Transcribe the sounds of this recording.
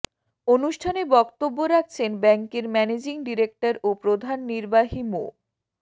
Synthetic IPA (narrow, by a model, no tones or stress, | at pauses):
onuʃʈʰanebɔkt̪obːoɾak̚ʰt͡ɕʰenbɛŋkeɾmɛned͡ʑiŋɖiɾek̚ʈaɾopɾod̪ʱanːiɾbaɦimo̰